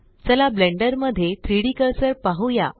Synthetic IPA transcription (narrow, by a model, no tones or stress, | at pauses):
t͡ɕalablẽɳɖəɾməd̪ʱːjet̪ʰɾiɽikəɾsəɾpaɦuja̰